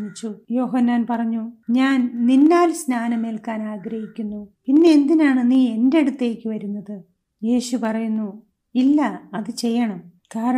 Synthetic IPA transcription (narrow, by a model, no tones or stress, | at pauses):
mit͡ɕːujo̞ːɦɐnːaːnpɐrɐɲːuɲaːnninːaːlsnaːnɐmelkaːnaːɡɾɐɦikʲːunːupinːe̞end̪inaːɳɨniːe̞nde̞ɽut̪ːe̞ːkʲːɨʋɐɾunːɐðɨ | je̞ːɕupɐrɐjunːu | ilːɐɐðɨt͡ɕe̞jːɐɳɐm | kaːɾɐ